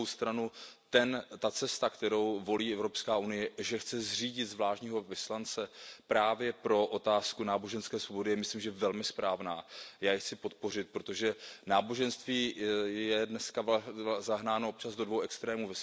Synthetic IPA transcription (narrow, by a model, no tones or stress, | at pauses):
owst̪ɾanut̪ɛnt̪at͡sɛst̪akt̪ɛɾo̞wvo̞liːɛvɾo̞pskaːʔunɪjɛʒɛxt͡sɛzr̝iːɟɪt̪zvlaːʃɲiːɦo̞vɪslant͡sɛpɾaːvjɛpɾo̞ʔot̪aːskunaːbo̞ʒɛnskɛːsvobo̞dɪjɛmɪsliːmʒɛvɛlmɪspɾaːvnaːjaːjɛxt͡sɪpo̞t̪̚po̞rɪt̪̚pɾot̪o̞ʒɛnaːbo̞ʒɛnst̪viːjjɛdnɛskazaɦnaːnoop̚t͡ʃazdodvo̞wɛkst̪ɾɛːmuvɪs